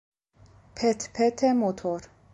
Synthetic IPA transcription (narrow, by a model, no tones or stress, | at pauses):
pʰɛt̪pʰɛt̪ʰɛmot̪ʰoɾ